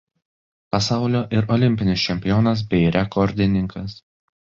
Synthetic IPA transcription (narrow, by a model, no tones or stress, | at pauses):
pɐsɑˑʊlʲoːʔɪɾɔːlʲɪmʲpʲɪnʲɪsʲt͡ʃʲɛmʲpʲɪjoːnɐs̬bʲɛɪɾʲɛkʰɔɾʲd̪ʲɪnʲɪŋkʰɐs